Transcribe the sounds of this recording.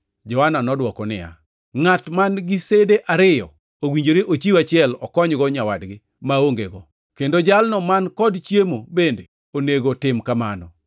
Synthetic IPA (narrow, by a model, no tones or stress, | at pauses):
d͡ʒɔananɔdwɔkɔnɪ̰ja̰ | ŋatmanɡɪsedeʔaɾɪjɔ̰ | owiɲd͡ʒoɾeʔot͡ʃiwat͡ʃɪɛlɔ̰kɔɲɡɔɲawadɡɪ | maoŋɡeɡɔ | kendod͡ʒalnɔmankɔdt͡ʃjemobende | oneɡotɪmkamanɔ